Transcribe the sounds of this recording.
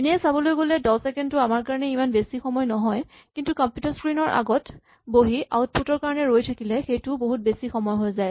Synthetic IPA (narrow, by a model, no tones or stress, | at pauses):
iniɛsabɔlojɡolɛdɔsɛkɛndtʊamaɹkaɹɔnɛimanbesixɔmɔjnɔɦɔj | kintukɔmpjutaɹskɹinɔɹʔa̰ɡɔt | boɦiʔa̰wt̚pʰutɔɹkaɹɔnɛɹojtʰakilɛxejtʊboɦut̚besixɔmɔjɦojzaj